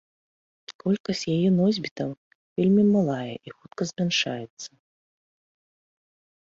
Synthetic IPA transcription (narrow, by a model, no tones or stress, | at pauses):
kɔlʲkɐsʲjajɛnɔzʲbʲit̪ɐm | vʲelʲmʲimalˠajɛ̰ʔixut̪kɐzʲmʲanʂajɛt̪sːɐ